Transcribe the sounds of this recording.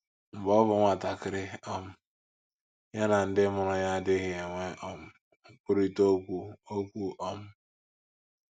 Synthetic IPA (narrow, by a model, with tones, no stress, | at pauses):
m̩˨bɔ˦bʊ˨ŋʷa˨ta˨kɪ˨ɾɪ˦ɔ˦m̩˦ | ja˦na˨n̩˦dɪ˦mʊ˨ɾʊ˨ja˦dɪ˦ɣɪ˨e˨ŋʷe˦ʔɔ˦m̩˦ | ŋ̩˨˦k͡pʊ˦ɾi˦to˦kʷu˦o˦kʷu˦ʔɔ˦m̩˦